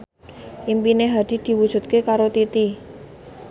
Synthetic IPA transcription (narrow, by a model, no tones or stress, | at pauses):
ʔimpineɦad̪̥i̤d̪̥i̤wud̥ʒ̥ṳt̪̚kekaɾot̪it̪i